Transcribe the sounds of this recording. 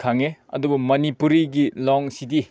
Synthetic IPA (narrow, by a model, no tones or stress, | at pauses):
kʰaŋeɐ̰dubumɐnipuɾiɡilɔŋsidi